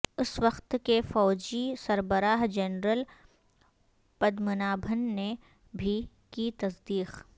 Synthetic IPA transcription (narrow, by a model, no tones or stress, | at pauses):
ʊswɐqt̪kefɔːd͡ʒisɐɾbəɾaːɦd͡ʒɛnɾəl | pɐd̪mʊnaːbʱənːe | bʱi | kit̪ɐsd̪iːq